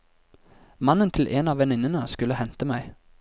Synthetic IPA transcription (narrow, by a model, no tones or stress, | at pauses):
mɑnənt̪ʰɪlʔeːnɑːʋɛnɪnənəskʉlːəhɛnt̪əmæɪ